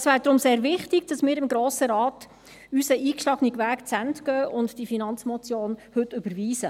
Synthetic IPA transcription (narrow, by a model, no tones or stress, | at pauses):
sʋæːɾd̪ɾʊmseːɾʋɪχtɪɡ̥d̥ɑsmɪːɾɪmɡɾoːsəɾɑːt | ysəʔiːkʃlɑɡəniɡʋæːkt͡sæntɡ̥œːʔʊntd̥ifinɑnt͡smɔt͡sjoːnhɵtːʏbəɾʋiːsə